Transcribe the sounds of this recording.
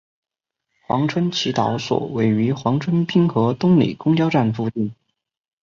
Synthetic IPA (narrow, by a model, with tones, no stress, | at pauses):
xwɑ̰˧˥ŋʈ͡ʂʰwə˥nt͡ɕʰi˧˥t̪ɑ˧˥ʊswɔ̰˨˩we˧˥˩ɪy˧˥xwɑ˧˥ŋʈ͡ʂʰwə˥npi˥ŋxɤ˧˥t̪ʊ˥ŋlḭ˨˩kʊ˥ŋt͡ɕjɑ˥ʊʈ͡ʂa˥˩nfu˥˧t͡ɕ̪i˥˩n